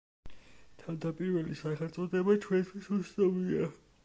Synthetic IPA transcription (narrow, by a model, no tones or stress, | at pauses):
t̪ʰavd̪apʼiɾvɛlisaχɛlt̪sʼɔd̪ɛbat͡ʃʰwɛnt̪ʰwisussʼavia